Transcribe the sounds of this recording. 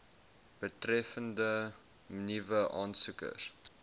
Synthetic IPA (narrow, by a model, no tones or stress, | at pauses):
b̥ətrɛfəndə | mənivəʔɑːnsukə̰r